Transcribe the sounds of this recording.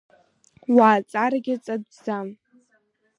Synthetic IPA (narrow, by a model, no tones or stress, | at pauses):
waːt͡sʼaɾaɡʲɪt͡sʼadzam